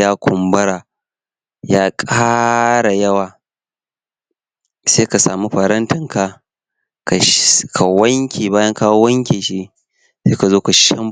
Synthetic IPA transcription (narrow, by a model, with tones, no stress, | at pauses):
jaː˦kʷʰʊ˨mbɐ˦ɾaː˨ | jaː˦kʼaː˦ɽa˨jɐ˦waː˨ | seː˦ka˨saː˨mu˦ɸɐ˨ɾɐ˦ntɐ˨ŋka˨ | ka˨kʰa˨wɐ˦ŋkʲeː˨baː˦jɐ˦ŋkaː˦wo˦wɐ˦ŋkʲeː˨ʃi˦ | se˦ka˨zoː˦ka˨ʃɐ˦m